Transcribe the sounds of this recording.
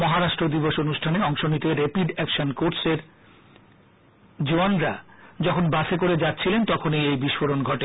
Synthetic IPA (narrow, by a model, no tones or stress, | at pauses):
mɔɦaɾaʃʈɾod̪iboʃonuʃʈʰaneɔŋʃonit̪eɾepiɖɛkʃonkoɾseɾ | d͡ʑoanɾad͡ʑɔkʰonbaʃʰekoɾed͡ʑatːɕʰilent̪ɔkʰonejejbiʃfoɾonɡʱɔʈe